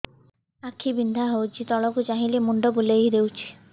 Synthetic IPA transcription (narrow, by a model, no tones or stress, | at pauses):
akʰibind̪ʱaɦowt͡ʃʰit̪ɔɭɔkud͡ʒaɦiliemuɳɖɔbuleid̪ewt͡ʃʰi̥